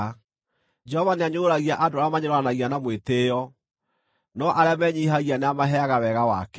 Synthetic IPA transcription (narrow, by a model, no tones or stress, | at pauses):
d͡ʒɛhɔvaneaɲoːɾaɣiaʔadoɾamaɲeɾoanaɣianamwetejɔ | nɔʔaɾeamɛɲiɦaɣianeamaɦɛaɣawɛɣawa̰kɛ